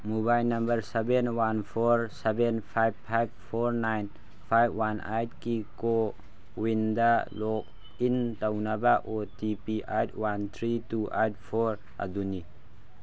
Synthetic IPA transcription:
mubajlnɐmbəɾsɛbɛnwanpʰɔɾsɛbɛnpʰajb̚pʰajb̚pʰɔɾnajn | pʰajbwanajt̚kiko | windalɔk̚ | intawnabaʔotipiʔajt̚want̪ʰɾituʔajt̚pʰɔɾ | ʔa̰d̪uni

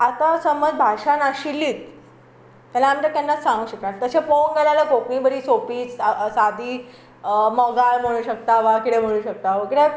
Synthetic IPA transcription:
at̪asəməd͡zbʱaʂanaɕilːiːt̪̚ | t̪alaːmit̪əkt̪janːat͡ssãŋɡũːɕəknat̪əɕefonɡelalakoknĩːbəɾʱiːsopiːt͡ssad̪ʱiː | mɔɡalm̤əɽ̃uːɕək̚t̪aʋakiʈẽm̤əɽ̃ũːɕək̚t̪aʋəkiʈe

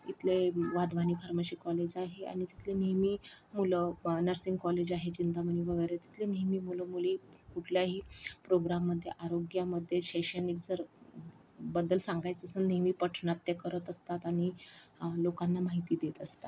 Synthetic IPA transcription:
it̪ʰleʋad̪ʋaniːfaɾməɕiːkɔled͡ʑaɦea̰ɽ̃it̪i̥t̪ʰlenijmimulənəɾsiŋɡkɔled͡ʑaɦed͡ʑind̪aməniʋəɡəjɾet̪i̥t̪ʰlenijmiːmuləmulikuʈʰljaɦiːpɾoɡɾamːəd̪ʱːjeʔaɾoɡjaməd̪ʱːjeɕeɕenild͡zəɾ | bəd̪əlsaŋɡajt͡səsənnimiːpəʈʰɳat̪ːekəɾət̪əst̪at̪aɽ̃i | lokanːamaɦit̪iːd̪et̪əst̪at̪

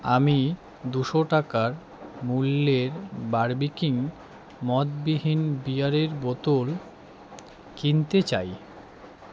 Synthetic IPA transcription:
a̰mi | d̪uʃoʈakaɾ | mulːeɾbaɾbikiŋ | mɔt̪biɦinbiaɾeɾbot̪ol | kint̪et͡ɕa̰j

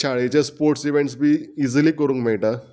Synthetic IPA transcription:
t͡ɕʰaɭet͡ɕjaspoɾʈsiʋeɳʈs̬bʱiːid͡zliːkəɾũːŋkmeɭʈa

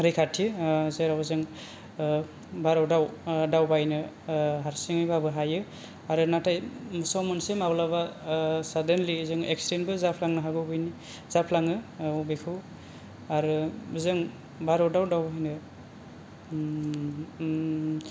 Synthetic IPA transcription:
ɾikʰatʰɯzeɾawzɯŋ | baɾɔwdawdawbajnɯ | ɦaɾsiŋɯjbabɯɦajɯ | aɾɯnatʰajmusawmɯnsemablabasadenlizɯŋek̚sɾenbɯzapʰlaŋnɯɦaɡɯwbɯjni | zapʰlaŋɯubekʰɯw | aɾɯzɯŋ | baɾɔwdawdawbaɦjnɯ

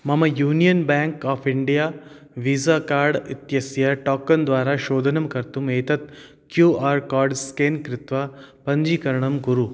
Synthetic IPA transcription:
mɐmɐjuːnijɐnbaːŋkaːpʰiɳɖijaː | ʋiːzaːkaːɾɖit̪jɐsjɐʈaːkːɐnd̪ʋaːɾɐʃoːd̪ʱɐnɐmkɐɾt̪umeːt̪ɐt̪ | kjuːaːɾkaːɾɖskeːnkɾɪt̪ʋɐpɐɲd͡ʒiːkɐɾɐɳɐmɡuɾu

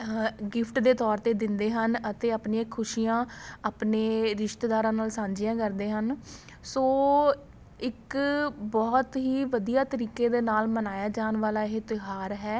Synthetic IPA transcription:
ɡɪpʰʈd̪eːt̪ɔːɾt̪eːd̪ɪnd̪eːɦənət̪eːapniãːkʰʊʃiːãːaːpneːɾɪʃt̪ːd̪aːɾãːnaːlsãːɲd͡ʒɪjãːkəɾd̪eːɦən | soː | ɪkbɔːt̪ɦiːʋəd̪ijaːt̪əɾiːkeːd̪eːnaːlmənaːjaːd͡ʒaːnʋaːlaːɪɦet̪ɪɦaːɾɦɛː

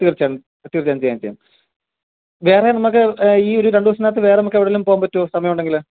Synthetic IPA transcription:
t̪ːiɣɐrt͡ɕːaːɳ | ɐt̪ːiɣɐrit͡ɕːaːɳt͡ɕejant͡ɕejːa̰m | ʋe̞ːrenɐmːɐk̬ːɨiːo̞ɾuɾeɳɖɨʋɐs̬ɐnːaːt̪ːɨʋe̞ːreɐmɐkːeʋiɽelːumpoːampɐtːuoːsɐmɐjɐmuɳɖe̞ŋɡil

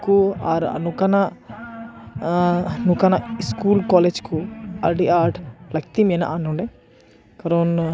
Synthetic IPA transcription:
kuaɾɐ̰nukɐnɐ | nukɐnɐskuːlkaːleːd͡ʒkua̰ːɾʈiʔaːɾʈlɐkt̪iminɐ̰ʔɐnuɳɖe | kɐɾoːn

